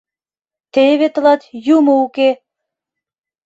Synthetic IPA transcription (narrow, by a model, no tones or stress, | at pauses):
t̪eβet̪ə̆lɑt̪jumouke